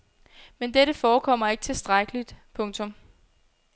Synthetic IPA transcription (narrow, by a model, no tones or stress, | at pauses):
mend̥eɾəfɒːkʰɒ̽m̰ɐe̝ɡ̥ət͡sʰe̝sd̥ʁaɡ̥əlid̥pʰɔ̽ŋt͡sʰɔ̽m